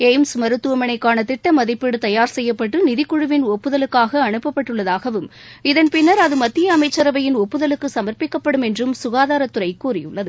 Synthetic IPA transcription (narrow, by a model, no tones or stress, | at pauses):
ɛɪmsmɐɾɯt̪ːɯʋɐmɐnɐɪkːaːnɐt̪ɪʈːɐmɐðɪpːɪɽɯt̪ɐjaːɾsɛjːɐpːɐʈːɯnɪðɪkːʊɻɯʋɪnɔpːɯðɐlɯkːaːɣɐːɳɯpːɐpːɐʈːɯɭːɐðaːɣɐʋɯm | ɪðɐnpɪnːɐɾɐðɯmɐt̪ːɪjɐːmɐɪt͡ʃːɐɾɐʋɐjɪnɔpːɯðɐlɯkːɯsɐmɐrpɪkːɐpːɐɽɯmɛndrɯmsʊɣaːðaːɾɐt̪ːɯɾɐɪkːuːrɪjɯ̰ɭːɐðɯ